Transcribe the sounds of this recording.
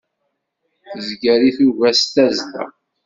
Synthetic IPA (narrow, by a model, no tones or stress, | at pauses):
θzɡæɾiθuʝæst̪æzlæ̰